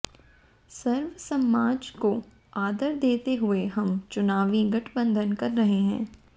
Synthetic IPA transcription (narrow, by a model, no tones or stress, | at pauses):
sɐɾʋəsɐmaːd͡ʒko | aːd̪əɾd̪eːt̪eɦʊeɦɐmt͡ʃʊnaːʋiɡɐʈʰbə̃nd̪ʱənkɐɾːɐɦeɦɛ̃ː